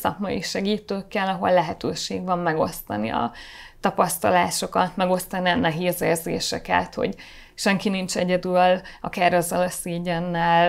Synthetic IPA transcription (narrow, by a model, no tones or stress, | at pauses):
sɒkmɒ̰jiʃɛɡiːt̪øːkːɛlɒɦo̞̰lːɛɦɛt̪øːʃeːɡʋɒmːɛɡo̞̰st̪ɒnḭɒ̰t̪ɒpɒst̪ɒlaːʃo̞kɒt̪mɛɡo̞st̪ɒniɒnːɛɦeːzeːrzḛːʃɛkɛ̰t̪ho̞̰ɟ | ʃɛŋkinint͡ʃɛɟɛd̪ylɒkarɒzɒlɒseːɟɛnːɛl